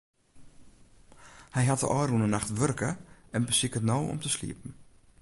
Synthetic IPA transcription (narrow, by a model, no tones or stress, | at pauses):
hɛjɦat̚də̰ʔɔːrunənaxtʋørkəɛnbəsikətnowɔ̰mtəslḭəpn̩